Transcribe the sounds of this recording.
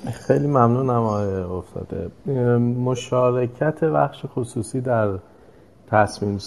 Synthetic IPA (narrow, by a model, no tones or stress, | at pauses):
xejliːmæmnuːnæmɒoft̪ʰɒ̰ːd̪̥ḛ | mo̞ʃɒːɾecʰæt̪ʰe̞bæ̰xʃexosuːsiːd̪æɾ | t̪ʰæsmiːms